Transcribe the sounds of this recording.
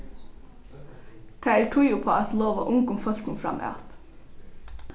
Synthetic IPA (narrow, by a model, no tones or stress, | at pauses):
t̪ʰææʈʰʊjʊpʰoːæt̪loːʋa̰ʔʊŋkʊmfœl̥kʊnfɾa̰mʔɑ̰ːt̪